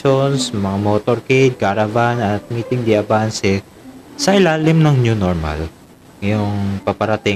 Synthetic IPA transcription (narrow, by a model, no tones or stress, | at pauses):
onsmɐŋamoːt̪oɾkejd̪̚kaɾɐvanɐt̪̚miːt̪ɪŋd̪ɪɐbansɛ | sɐʔɪlaːlɪmnɐŋnjunoɹma̰l | ɐjʊŋpɐpɐɾɐt̪ɪ